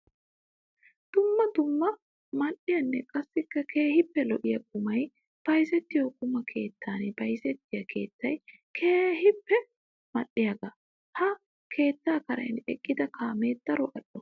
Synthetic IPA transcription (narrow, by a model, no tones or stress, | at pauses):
d̪̥ʊmːɐd̪ʊmːɐ | mɐɗːɪjɐnːɛkʼɐsːɪkːɐkʰe̞ːhɪpːɛlɔʔɪjɐk̚ʼʊmɐj | b̥ɐjs̬ɛt̪ːɪjokʼʊmɐkʰe̞ːt̪ʰːaːnbɐjsɛt̪ːɪjɐkʰe̞̰ːt̪ːɐj | kʰe̞ːhɪpːɛ | mɐ̰ɗːɪjɐɡɐ | hɐ | kʰe̞ːt̪ːaːkɐɾɐ̰jnɛ̰kʼːɪd̪ɐkʰaːmeːd̪̥ɐɾɔʔɐɗɔ